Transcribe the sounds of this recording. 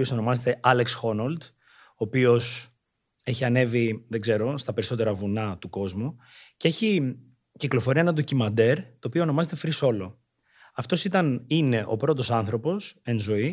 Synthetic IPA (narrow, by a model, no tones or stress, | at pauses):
io̞so̞no̞mɐzet̪e̞ʔɐleksxo̞nɐld̪ | oːpio̞s | e̞çiɐne̞viðeɡze̞ɾo̞st̪ɐpe̞ɾiso̞t̪e̞ɾɐvunɐt̪uko̞zmu | cee̞çi | ciklo̞fo̞ɾiɐenɐd̪o̞cimɐnd̪e̞ɾt̪o̞ːpioːno̞mɐze̞t̪e̞fɾiso̞lo̞ | ɐft̪o̞sit̪ɐnine̞ʔo̞̰pɾo̞t̪o̞sɐnθɾo̞po̞se̞nzo̞i